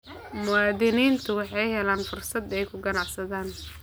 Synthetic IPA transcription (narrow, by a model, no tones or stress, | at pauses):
mʊwɑːðɪniːnt̪ʰʊwɑħɑjɦɛlaːnfʊrsɐd̪ɛjkʰʊɡɐnɑʕsɐðaːn